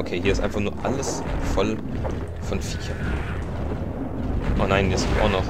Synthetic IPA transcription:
ʔokʰeːɦiɐɪstʔaɪnfaχnuːɐʔa̰ləs | fɔl | fɔnfiːçɐ | ʔaːnaɪnəsitʔa̰ʊnɔχ

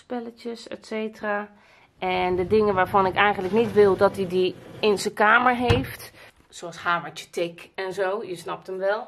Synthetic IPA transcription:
spɛlətəsɛ̰tseːtəra | ʔɛndədɪŋənʋaːɹfɔnɪkɛjɣən̩ləknitʋɪlˠdɔtidiɪnsəkaːməɹɦeːft | soɑshaːmət͡ʃə̥tʰɪkɛnzoːjəsnɔp̚təmʋɛlˠ

